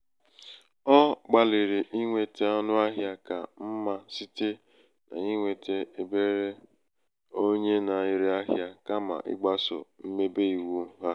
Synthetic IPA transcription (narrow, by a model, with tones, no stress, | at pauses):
ɔ˦ɡ͡ba˨li˨ɾi˨ʔi˦ŋʷe˨te˦ɔ˦nʊ˦a˦ɦja˦ka̰˨m̩˦ma˨si˦te˦ | na̰˨ɲi˦ŋʷe˨tʰe˦e˨be˦ɾe˦ | o˦ɲe˦na˨i˨ɾi˦a˦ɦja˦ka˦ma̰˨ʔɪ̰˦ɡ͡ba˦so̰˨m̩˦me˦be˦i˨wu˦ɦa˦